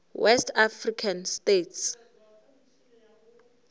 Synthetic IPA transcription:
wʔɛstʰafrikʰanstetʰs

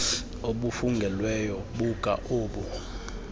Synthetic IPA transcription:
oɓufuŋɡʱɛlwɛjɔɓukʼa̰ʔoːɓu

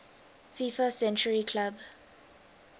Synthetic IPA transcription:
fifasɛ̃nt͡ʃəɹikʰlab

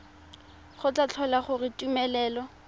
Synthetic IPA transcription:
χʊt͡ɬat͡ɬʰɔlaχʊrɪtʼumɛlɛːlɔ

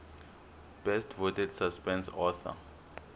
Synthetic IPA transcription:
b̥ɛstʰvotʰɛdsaspɛ̃nsɔθa̰

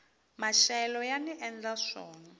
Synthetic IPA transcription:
maʃɛlɔjaniʔɛnd͡ɮaʂɔ̰ːna

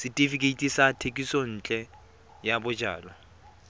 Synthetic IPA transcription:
sɪtʼifikʼeitʼisatʰekʼisɔn̩ːt͡ɬʼɛ | jabʊd͡ʒa̰ːlɔ

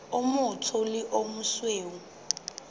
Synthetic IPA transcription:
ʊmʊtʰʊlɪʔomusweːŋu

